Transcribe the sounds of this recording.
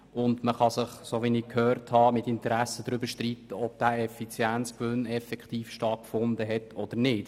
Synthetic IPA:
ʊndməχɑsɪχsoʋinikʰhøːɾthɑːmɪtɪntəɾæsədɾʏbəɾʃtriːtəɔb̥̚d̥æːɛfit͡sjænt͡skʋønɛfɛkχtiːfʃtɑtkfʊndəɦɛtɔd̥̪əɾnɪːt

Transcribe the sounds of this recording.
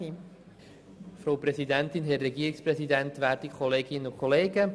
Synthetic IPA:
i | fɾowprɛsidɛntɪnɦɛrːɛɡiːɾiksprɛsidɛntʋæːɾtikʰɔleːɡɪnːəʊkʰɔleːɡə

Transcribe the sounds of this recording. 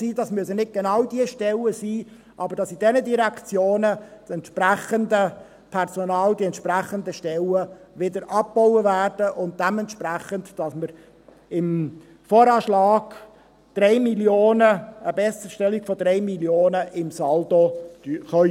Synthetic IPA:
siːdɑsmyəsənɪt̚ɡ̥enɑwdiəʃtɛləsiː | ʔɑbəɾd̥ɑsidɛnədiɾækʰt͡sjoːnəsɛnt̪ʃpræχəndə | pʰɛrsɔnɑːld̥iɛntʃpræχəndəʃtɛləʋɪdəɾʔɑp̚b̥ɔʊwəvæːrd̥əʔʊnt̚d̥ɛmɛntʃpræχəntd̥ɑsməɾ | ɪm | fɔːɾɑːʃlɑːɡ̥ | d̥ɾɛɪmiljoːnəəbɛsəʃtɛliɡ̥fɔd̥̪ɾɛɪmiljoːnəʔɪmsɑldo̥yχœ

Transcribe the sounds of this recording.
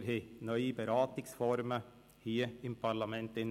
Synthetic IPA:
ɾhenœʏɪbɛɾɑːt̪ɪksfɔɾmə | hiːəɪmpʰɑɾlɑmɛnt̪ɪn

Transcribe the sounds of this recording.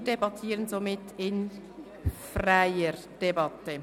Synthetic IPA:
dɛbɑtʰiːɾənzomɪtːɪn | fraɪəɾ | d̥ɛbɑtːə

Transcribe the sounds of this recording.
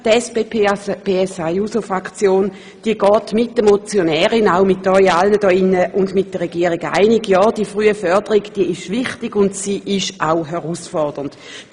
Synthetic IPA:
tɛsbeːpʰeb̥eːɛsajusofʁakt͡sjoːn | d̥iəɡ̥ɔːtmɪt̚d̥əmot͡sjonɛːʁɪnaʊmɪt̚dɔjalnədɔːinːəʔʊndmɪt̚d̥əʁeɡiːəʁiɡa̰ɪnɪɡjɔːd̥iəfʁyːəfœɐd̥əʁiɡd̥iəɪʃvɪχtiɡʊndsiːʔɪʃʔaʊɦɛʁuːsfɔʁd̥ənd̥

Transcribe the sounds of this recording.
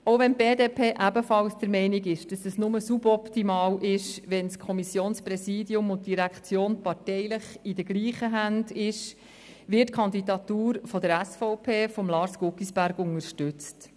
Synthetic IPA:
owʋɛnb̥eːdeːpʰeːʔæbəfɑlsd̥əɾmɛɪniɡɪʃd̥ɑsɛsnʊməsubɔptimɑːwʔɪʃʋɛnskʰɔmisjoːnspɾɛsiːdiʊmʊnt̚d̥iɾækχt͡sjoːnpɑɾtɛɪləχidəɡliːχəɦændɪʃ | ʋɪtkʰχɑnd̪idɑt̪uːɾfɔdəɾæsfɔʊpʰeːfɔmlɑːɾsɡ̥ʊkːisb̥æɾɡʊŋəɾʃtʏt͡st

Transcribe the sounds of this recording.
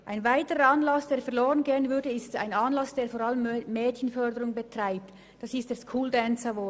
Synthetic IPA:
ʔaɪnvaɪtəʁəɑnlɑsd̥eːɾfɛɐloːʁənɡeːənvʏdəɪsta̰ɪnɑnlɑsd̥eːɾfoːɾɑləmmːɛːtçənfœdəɾʊŋbətr̥aɪp̚t | d̥ɑsɪst̚d̥eːskʰuːldɛnsavoː

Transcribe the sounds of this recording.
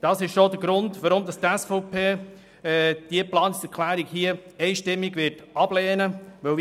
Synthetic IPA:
d̥ɑsɪʃʃod̥əɡɾʊndʋaɾomd̪ɑst̪ɛsfɔʊpeː | d̥iəplɑːnsɛɾkʰlæːɾiɡhiəɛɪʃtɪmːiɡʋɪtɑb̥leːnəʋœl

